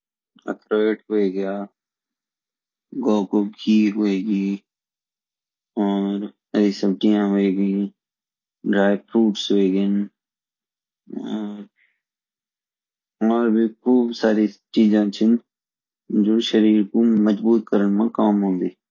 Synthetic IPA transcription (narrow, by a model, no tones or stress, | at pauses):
ə̰kʰɾoːeːʈɦoːeɡəjaː | ɡɔːkob̚kʰiːɦoeːɡiː | ɔːɾ | ədisəbʈiːãɦoeːɡi | ɖɾaːɪpʰɾuːʈsɦoeːɡɪn | ɔːɾ | ɔːɾbʱikʰuːbsaːɾit͡ʃiːzãːt͡ʃʰɪn | d͡ʒoːʃəɾiːɾkoməd͡ʒbuːt̪̚kəɾənmãkaːmɦõːnd̪iː